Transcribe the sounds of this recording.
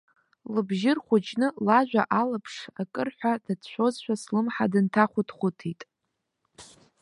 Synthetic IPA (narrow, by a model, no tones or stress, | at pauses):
lɨbʒɪrχʷʊt͡ʃʰʼnɨlaʒʷᶣaʔalapʰʂakʼɨrħʷadadt͡ʃʷo̞zʃʷᶣaslɨmħadɨntʰaχʷʊtʰχʷʊtʰitʼ